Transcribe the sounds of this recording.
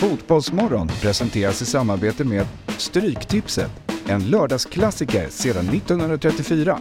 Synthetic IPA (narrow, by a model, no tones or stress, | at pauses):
fuːt̪bɔlsmɔɾɔnpʰɾɛsɛnt̪ʰeːɾasɪsamːaɾbeːt̪əmeːd̪st̪ɾyːkt̪ʰɪpsə̰t̪ɛnlœːɖɑːɡskʰlasɪkə̰ɾseːd̪anːɪt̪ːɔnhɵɵnɾat̪ʰɾɛt̪ːɪfyːɾa